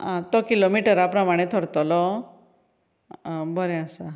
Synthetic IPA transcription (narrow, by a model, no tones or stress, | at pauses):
ãt̪ɔkilomiʈəɾapɾɔmaɽ̃et̪ʰɔɾt̪ɔlɔ | bɔɾeasa